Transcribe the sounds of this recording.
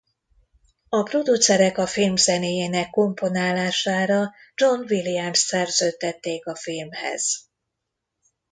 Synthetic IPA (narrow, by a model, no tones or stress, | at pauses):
ɒpro̞d̪ut̪sɛɾɛkɒfilmzɛneːjeːnɛkːo̞mpo̞naːlːaːʃaːɾɒ | d͡ʒo̞nvilijɛmssɛrzøːt̪ːɛt̪ːeːkɒfilmhɛ̰z̥